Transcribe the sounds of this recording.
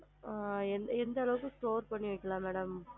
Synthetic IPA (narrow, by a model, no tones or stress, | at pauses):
ɛnd̪ɛnd̪ɐlɐʋɯkɯ̃sʈoːɾpɐɳːiʋɐkːɐlãːmeːɽɐm